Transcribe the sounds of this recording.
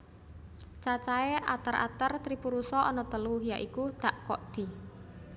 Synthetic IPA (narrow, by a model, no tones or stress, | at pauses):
t͡ʃat͡ʃaeʔa̰t̪əɾʔa̰t̪ərt̪ɾipuɾusɔʔɔnɔt̪əluɦjaʔikud̪̥a̤ʔkɔʔd̪̥i̤